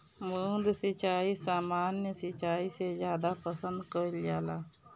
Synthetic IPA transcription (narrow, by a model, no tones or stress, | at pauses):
mud̪sɪt͡ʃaːisaːmaːnːjəsɪt͡ʃaːisezjaːd̪apəsə̃nd̪kəɾlɪjaːlaː